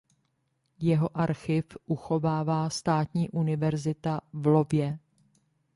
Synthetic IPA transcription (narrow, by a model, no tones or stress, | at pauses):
jɛɦo̞ʔaɾxɪfʔuxo̞vaːvaːst̪aːt̪ɲiːʔunɪvɛɾzɪt̪avlo̞bjɛ